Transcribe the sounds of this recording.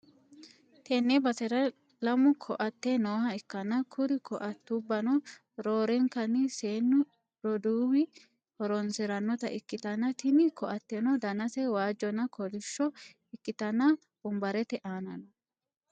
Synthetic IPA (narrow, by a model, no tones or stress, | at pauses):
t̪ɛnːɛbɐsɛɾɐ | lɐmʊkʰɔʔɐt̪ːenoːhɐɪkːɐnɐkʰʊɾɪkʰɔʔɐt̪ːubːɐnɔ | ɾoːɾɛŋkɐnɪseːnːʊ | ɾɔd̪uːwɪ | hɔɾɔnsɪɾɐnːɔt̪ɐ̰ʔɪkːɪt̪ɐnːɐt̪ɪnɪkʰɔʔɐt̪ːɛnɔd̪ɐnɐsɛwaːd͡ʒːɔnɐkʰɔdɪʃːɔ | ɪkːɪt̪ɐnɐ | b̥ʊmbɐɾɛt̪ɛʔaːnɐ̰nɔ